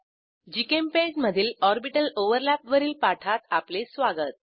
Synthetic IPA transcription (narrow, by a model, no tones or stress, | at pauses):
d͡ʑikemped͡ʑməd̪ʱiːlɔɾbiʈəloʋəɾlæpʋəɾiːlpaʈʰat̪aplesʋaɡət̪̚